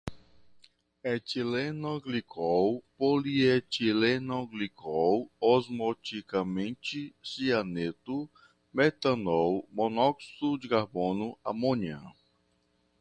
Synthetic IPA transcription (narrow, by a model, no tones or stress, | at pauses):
ɛt͡ʃilenɔɡlikʰɔwpoliet͡ʃilenoɡlikɔwɔzmɔt͡ʃikamẽnt͡ʃisianet̪ʊ | mɛt̪ɐ̃nɔwmonɔksud͡ʒɪkaɾbõnʊa̰mõɲɐ̰̃